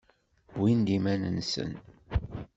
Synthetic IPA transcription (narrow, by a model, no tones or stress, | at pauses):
bwind̪imænənsə̰n